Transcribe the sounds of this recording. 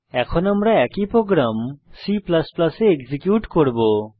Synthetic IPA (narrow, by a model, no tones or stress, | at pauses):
ɛkʰɔnamɾaɛkipɾoɡɾamsiplasplaseːkzikjuʈkoɾbo